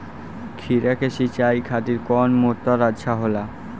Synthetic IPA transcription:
kʰiɾakeʃit͡ɕajkʰat̪iɾkɔnmoɾt̪aɾadʃaɦola

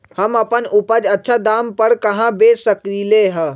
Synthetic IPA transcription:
hɐmɐpənʊpəd͡ʒɐtːʃʰad̪aːmpəɾkɐɦãbeːsəkɾileɦɛ

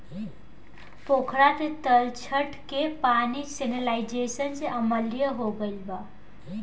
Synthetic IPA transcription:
pokʰɾat̪et̪əlt͡ʃʰəʈkepanisenəlaid͡ʒesənseəməljəɦoɡəlba

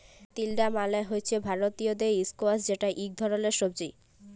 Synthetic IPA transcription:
t̪ilɖamalaeɦojet͡ɕʰebʱaɾot̪iod̪eiskoasd͡ʑeʈaʔik̚d̪ʱɔɾoleɾʃobd͡ʑi

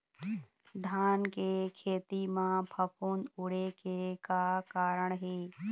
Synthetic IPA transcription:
d̪ʱaːnkekʰeːt̪imãpʰəpuːnʊɽekekakaːɾəɳ̃ɦeː

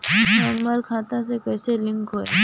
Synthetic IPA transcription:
amːəɾkʰãːt̪ãsekɐːselɪ̃ŋkɦoːe

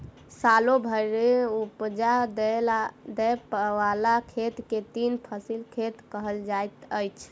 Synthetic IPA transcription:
salobʱəɾeupd͡ʒad̪ | d̪ɛpəwalakʰet̪ket̪inpʰəsilkʰet̪kəɦəld͡ʒajt̪əjt͡ʃʰ

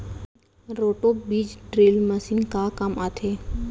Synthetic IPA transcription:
ɾoːʈobiːd͡ʒɖɾeːlməsinkakamat̪ʰeː

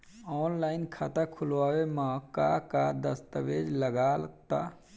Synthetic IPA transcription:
ɔːnlaːɪnkʰaːt̪akʰʊlʋaːwemãːkakad̪əst̪əʋeːd͡ʒləɡaləkt̪aː

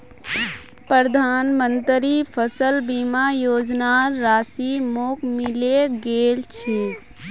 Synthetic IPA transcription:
pɾəɾəd̪ʱaːnmə̃nt̪ɾipʰəsəlbiːmajoːd͡ʒnaːaːsimoːkmɪleɡeːlt͡ʃʰeː

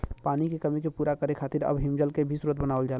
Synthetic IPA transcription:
paːnikekɐmikepuːɾakəɾekʰaːt̪ɪɾɐ̰bɦɪ̃md͡ʒəlkebʱisuːɾət̪̚bənaːʋəld͡ʒaː

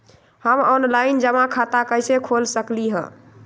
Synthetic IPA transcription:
həmɔnlaɪnd͡ʒəmãkʰat̪akəjsekʰolsəkliɦə̰̃

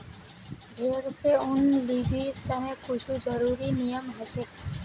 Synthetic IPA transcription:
bʱeɾseunlibiɾt̪aneput͡ʃʰud͡ʒəɾuɾinijəmɦət͡ʃʰe

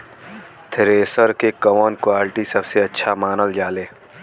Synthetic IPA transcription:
t̪ʰɪɾeːsəɾkekɐʋɔːnkwaːlɪʈisɐbseɐtːʃʰamaːnəld͡ʒaːleː

